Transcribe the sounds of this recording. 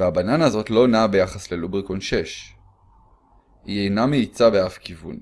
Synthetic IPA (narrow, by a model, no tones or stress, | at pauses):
veabananazo̞tlo̞nabe̞jaχasle̞lubʁikonʃe̞ʃ | iejnameit͡sabe̞afkivṵn